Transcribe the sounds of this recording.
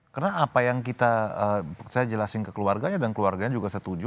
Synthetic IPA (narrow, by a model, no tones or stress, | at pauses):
kərnaːpajaŋk̬it̪aəsajad͡ʒəlasɪnkəkəluarɡaɲadankəluarɡaɲad͡ʒuɡasət̪ud͡ʒʊ